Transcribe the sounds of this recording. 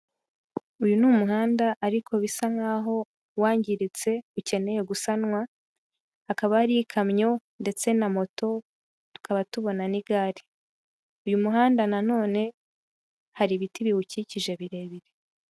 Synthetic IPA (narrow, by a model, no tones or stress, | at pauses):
ujunuːmuɦaːndaʔaɾikʰo̞βisaŋaːɦo̞ | waːɲɟiɾit͡se̞uce̞ne̞je̞ɡusanŋwa | akaβahaɾikʰamɲo̞nde̞t͡se̞namo̞to̞ | tu̥kʰaβatuβo̞naniɡaːɾi̥ | ujumuɦaːndanano̞ːne̞ | haɾiβitiβihuciciʒe̞βiɾe̞ːβiɾe